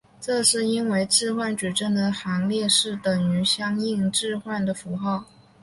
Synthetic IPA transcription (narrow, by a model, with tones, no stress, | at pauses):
ʈ͡ʂɤ˥˧ʂɻ̩˥˩i˥nwe˧˥ɪʈ͡ʂɻ̩˥˧xwa˥˩nt͡ɕy˨˩ʈ͡ʂə˥˩nd̪ə˩xɑ˧˥ŋljɛ˥˧ʂɻ̩˥˩t̪ə˨˩ŋy˧˥ɕjɑ˥ŋi˥˧ŋʈ͡ʂɻ̩˥˧xwa˥˩nd̪ə˩fu˧˥xɑ˥˩ʊ